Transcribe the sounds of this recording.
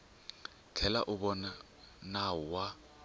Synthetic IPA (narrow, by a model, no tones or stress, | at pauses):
t͡ɬʰɛla̰ʔʊbɔna | naʊwa